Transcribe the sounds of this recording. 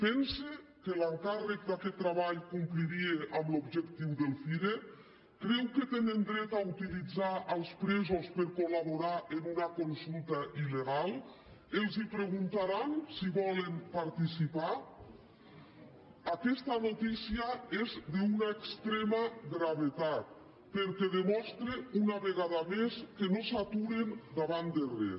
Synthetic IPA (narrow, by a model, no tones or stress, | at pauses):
pɛnsekelaŋkarek̚d̪akɛt̪ːɾaβaʎkumpliɾieʔamlobʒekt̪iwðelˠfiɾe | kɾɛwket̪enend̪ɾɛt̪aut̪ilid͡zaʔəlˠspɾɛzospeɾkolaβoɾaʔenunakonsulˠt̪aʔileɣ̞alˠ | elˠzipɾeɣ̞unt̪aɾansiβɔlempaɾt̪isipa | akɛst̪anot̪isiaezd̪eunaekst̪ɾɛmaɣɾaβet̪at̪̚ | peɾkɛðemɔst̪ɾeunaβeɣ̞aðameskenosat̪uɾend̪aβand̪erɛ̰